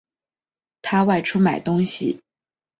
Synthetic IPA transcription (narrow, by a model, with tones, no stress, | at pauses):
t̪ʰa˥wa˥˧ɪʈ͡ʂʰu˥ma˨˩ɪt̪ʊ˥ŋɕḭ˨˩